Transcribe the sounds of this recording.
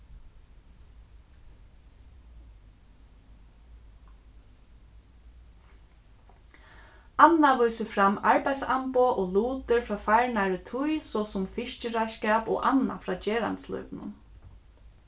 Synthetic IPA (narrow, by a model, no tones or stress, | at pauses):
anːaʋujsəfɾamaɹpaj̪sampoʔɔːluːt̪ɪɹfɾaːfajɹɳaɹɪt̪ʰʊjsɔːsʊmfɪʃcɪɾaskɛːpɔ̰ːʔanːa̰fɾaːd͡ʒeːɾa̰nt̪slɔ̰jpɪnʊ̰n